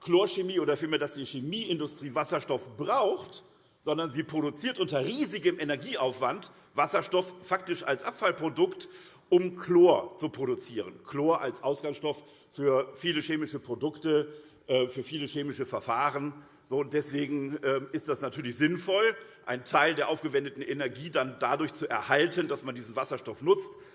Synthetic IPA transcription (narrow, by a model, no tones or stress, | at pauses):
kloːɐʃemiːʔoːdɐfiːlmeːɐdasd̥iːʃemiːʔɪndʊstʁ̥iːvasɐʃtɔfb̥ʁaʊxt | z̥ɔndɐnziːpʁ̥oɾut͡siːɐtʔʊntɐʁiːzɪɡəmʔenɛɐɡiːaʊfv̥ant | v̥asɐʃtɔffak̚tɪʃa̰lsʔapfalpʁ̥odʊkt | ʔʊmkʰloːɐt͡supʁ̥oɾut͡siːʁənkʰloːɐʔalsʔaʊsɡ̥aŋsʃtɔf | fyːɐfiːləʃeːmɪʃəpʁ̥odʊktə | ʔɛːfyːɐfiːləʃeːmɪʃəfɛɐfaːʁən | z̥oːʊnt̚d̥ɛsv̥eːɡŋ̩ʔɛːmɪstd̥asnatʰyːɐlɪçz̥ɪnfɔl | ʔaɪntʰaɪldeːɐʔaʊfɡ̥əvɛndətn̩ʔenɛɐɡiːdandadʊɐçt͡suʔɛɐhaltʰəndasmandiːzn̩vasɐʃtɔfnʊt͡st